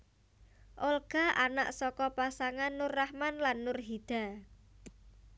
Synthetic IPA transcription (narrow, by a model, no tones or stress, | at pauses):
ʔɔlɡ̥a̤ʔana̰ʔsɔkɔpasaŋanːʊrahmanlanːʊrɦid̪̥a̤